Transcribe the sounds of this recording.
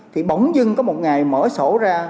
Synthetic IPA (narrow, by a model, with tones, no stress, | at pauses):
t̪ʰi˨˩ɓa˨˧˩wŋ͡mzɨ˧ŋkɔ˨˦mo˨˩t̚ŋa˨˩jməː˧˦so˧˥zaː˧